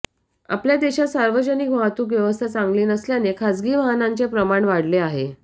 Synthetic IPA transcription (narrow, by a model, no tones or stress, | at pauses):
a̰pljad̪eɕasaɾʋəd͡ʑənikʋəɦat̪uːk̬ʋjəʋəst̪ʰat͡saŋɡliːnəsljanekʰad͡zɡiːʋəɦnant͡sepɾəmaɳʋaɽleaɦe